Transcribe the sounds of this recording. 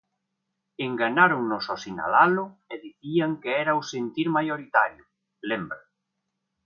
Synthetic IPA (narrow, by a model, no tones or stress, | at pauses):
eŋɡaɲaɾʊŋnʊsosina̰lalʊeðiθiaŋkeɛɾausent̪iɾmajoɾit̪aɾjʊ | lembɾa